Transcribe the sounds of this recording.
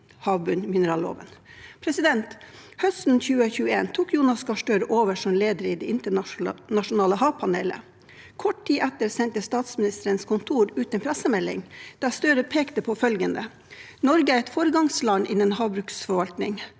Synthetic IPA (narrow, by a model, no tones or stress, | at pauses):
hɑːʋbʉnmɪnəɾɑːlo̰ːʋə̰npʰɾɛsɪd̪ɛnt̪hœst̪n̩çʉːəçʉːəḛːnt̪ʰuːkjuːnɑskɑʃʈøːɾʔoːʋəʂɔmleːd̪əɾɪd̪ɛɪnt̪ənɑʃʊnɑːləhɑːʋpʰɑneːlə̰ | kʰɔʈ̚tiːʔæt̪əɾsɛnt̪əst̪ɑːt̪smɪnɪst̪əɾənskʰʊnt̪ʰuːɾʉːt̪ɛnpʰɾæsəmɛlːɪ̰ŋd̪̥æst̪œɾəpʰeːkt̪əpʰoːfœlɡənd̪ə̰ | nɔɾɡəæːɾɛt̪foːɾəɡɑŋslɑnʔɪnːənhɑːʋbɾʉːksfɔɾʋɑlt̪nɪŋ